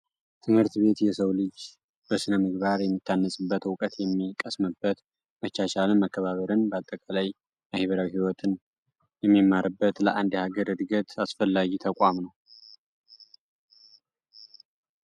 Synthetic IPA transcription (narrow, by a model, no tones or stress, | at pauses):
t̪ʰɨmhɨɾt̪βe̞t̪jɛsəwlɨd͡ʒ | b̥əsɨnəmːɨɡβaɾjɛmːɨt̪ʰːanːəsʼɨbːət̪wkʼət̪jɛmːikʼəsməbːət̪ | mət͡ʃːaʃalmːakːəβaβəɾɨnbəat̪ʼːəkʼalaj | mahiβəɾawihiwɔt̪ʰɨn | jɛmːimːaɾɨbːət̪ləʔand̪haɡəɾɨd̪ɡət̪asfəlːaɡit̪ʰəkʼamnəw